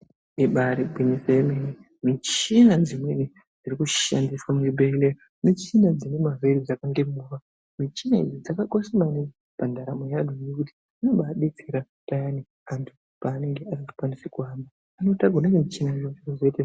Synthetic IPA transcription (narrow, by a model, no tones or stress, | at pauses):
iɓaɾibʱiɲiseemene | mit͡ʃinad͡zimweni | d͡zirikuʃandiswamibʱeile | mit͡ʃinad͡zine̞maveɾid͡zakaŋɡe̞muʋa | mit͡ʃinaḭd͡zid͡zakakosimanii | pandaɾamojadʱojekuti̥ | anoɓaɗe̞t͡seɾa | tajani | antʰu | paːne̞ŋɡe̞aritu̥kwanisekuaːmbaːno̞taɡʱuneemit͡ʃinaijoirozoite